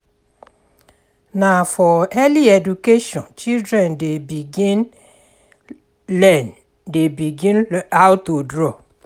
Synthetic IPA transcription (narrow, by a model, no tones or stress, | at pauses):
nafɔɛliɛdukeʃɔ̃nt͡ʃildɹɛ̃ndebiɡĩn | lɛn | debiɡĩnawtudɹɔ